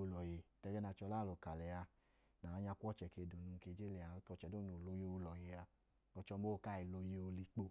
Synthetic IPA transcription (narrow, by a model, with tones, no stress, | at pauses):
o˧lɔ˨je˨tɛ˧ɡɛ˦na˧t͡ʃɔ˧la˦˨lo˨ka˨lɛ˨ja˧ | na˨a˧ɲa˧kʷɔ˦˨t͡ʃɛ˨ke˧˨do˨nu˨˧ŋ̩˧ke˧˨d͡ʒe˦lɛ˨a˧˦kɔ˧t͡ʃɛ˨do˦no˨lo˧je˧˦o˧lɔ˨je˨a˧ | ɔ˧t͡ʃɔ˧m̩˦o˦˧˨ka˦˨i˨lo˧je˧o˧li˧k͡po˧